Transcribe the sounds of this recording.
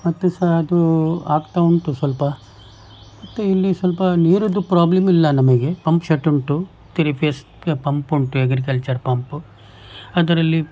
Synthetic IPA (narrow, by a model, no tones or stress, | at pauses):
mɐt̪ːusɐɐd̪ua̰ːɡt̪auɳʈusʋɐlpɐ | mɐt̪ːuilːisʋɐlpɐniːɾud̪upɾaːblemilːɐnɐmɐɡe̞pɐmpʃɐʈːuɳʈu | t̪iɾipʰɐs | pɐmpuɳʈueɡɾik̬ɐlt͡ʃɐɾpɐmpu | ɐd̪ɐɾɐlːi